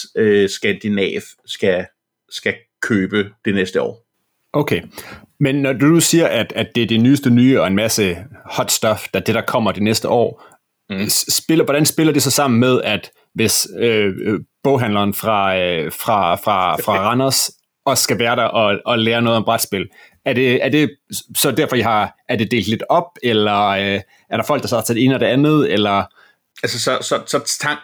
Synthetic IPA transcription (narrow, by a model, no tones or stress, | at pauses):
øsɡ̥ænd̥inɛ̰ːʋsɡ̥æ | sɡ̥æ | kʰøːb̥əd̥enesd̥əɒ̰ː | ʔoʊkʰe | menːɒd̥ud̥usiːɐʔæd̥ædd̥e̝ɐd̥enyːsd̥ənyːɒ̽e̝nmæsəhɒ̽d̥sd̥ɒ̽fd̥ɑd̥e̝ɾ̥ɑ̈kʰɒ̽m̰ɐd̥enesd̥əʔɒ̰ː | sb̥e̝lɐʋɒɾænsb̥e̝lɐd̥esɒ̽sɑ̈m̰n̩með̞ˠæd̥ | ʋe̝søb̥ɔ̽ʊɦænlɐːnfʁɑ̈fʁɑ̈fʁɑ̈fʁɑ̈ʁɑnɐs | ʔɒ̽sːɡ̥æʋæːɐɾ̥ɑʔɒɒ̽leːɐnɔ̽ːð̞̩ˠɒ̽mb̥ʁad̥sb̥e̝l | æɐd̥e̝æɐd̥e̝sɒ̽d̥æɐfɒ̽iɦɑ̈æɐd̥e̝d̥e̝̰ːld̥le̝d̥ɒ̽b̥̚elɐ | æɐɾ̥ɑ̈fɒ̽l̰ɡ̥d̥ɑst͡sʰed̥e̝̰ːnɒɾ̥e̝ænð̩ˠelɐ | ælsəsɒsɒsɒt͡sʰɑ̈ŋ̰